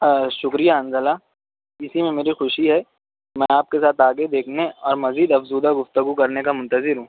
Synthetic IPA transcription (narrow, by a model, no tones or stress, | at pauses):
ʃʊkɾijaɐ̃nzəla | ɪsimẽmeːɾixʊʃiɦɛː | mɛ̃ːaːp̚kesaːt̪aːɡed̪eːkʰneɔːɾmɐziːd̪ɐfzuːd̪aɡʊft̪əɡukɐɾnekamʊ̃nt̪əzɪɾɦũː